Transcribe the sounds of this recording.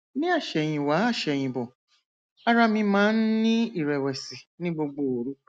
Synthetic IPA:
nĩ˦a˦˨ʃɛ˨j̃ĩ˨wa˨˦a˦˨ʃɛ˨j̃ĩ˨bɔ˨ | a˦ɾa˧mĩ˧mãː˨˦n̩˦nĩ˦i˦˨ɾɛ˨wɛ˨si˨nĩ˦ɡ͡bo˧ɡ͡bo˨o˨ɾu˦

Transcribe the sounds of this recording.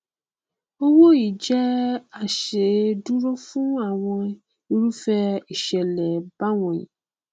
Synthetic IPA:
o˦wo˦ji˨d͡ʒɛ˦a˨ʃe˨du˦ɾɔ˦fũ˦a˨w̃ɔ̃˧˦ | i˦ɾu˦fɛ˦i˨ʃɛ˨lɛ˨ba˦wɔ̃˨ḭ˨

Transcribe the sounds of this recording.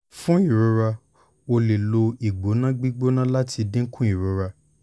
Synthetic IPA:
fũ˦i˦˨ɾo˨˧ɾa˧ | o˧le˨lo˧i˨ɡ͡bo˨˦nã˦ɡ͡bi˦ɡ͡bo˦nã˦la˦tʰi˧dĩ˦kũ˦i˨ɾo˧ɾa˧

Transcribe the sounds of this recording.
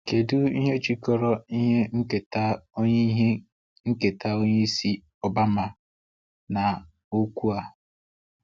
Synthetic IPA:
ke˨du˦i˦ɦe˦t͡ʃi˦kɔ˦ɾɔ˦i˦ɦe˦ŋ̩˦ke˨ta˦o˦ɲe˦ɦe˦ | ŋ̩˦ke˨tʰa˦o˦ɲe˦i˦si˦ | ɔ˦ba˦ma˨ | na˨ | o˦kʷu˦a˦

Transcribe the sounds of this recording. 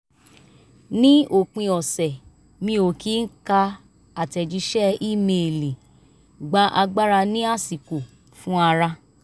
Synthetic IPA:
nĩ˦o˨k͡pĩ˧ɔ˨sɛ˨ | mĩ˧o˨kʰi˦n̩˦ka˧ | a˨tɛ˨d͡ʒi˧˦ʃɛ˦i˦˨me˧˨li˨ | ɡ͡ba˨˦ʔa˧ɡ͡ba˦ɾa˧nĩ˦a˦˨si˨ko˨ | fũ˦a˧ɾa˧

